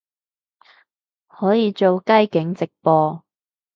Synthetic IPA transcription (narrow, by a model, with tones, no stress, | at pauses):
hɔː˨˥jiː˨˧t͡so˨wkɐ˥jkɪ˨˥ŋt͡sɪ˨k̚pɔː˧